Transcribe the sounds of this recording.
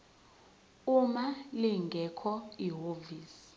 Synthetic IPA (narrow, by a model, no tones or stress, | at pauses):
umaliŋɡʱɛkʰɔiɦoːviːs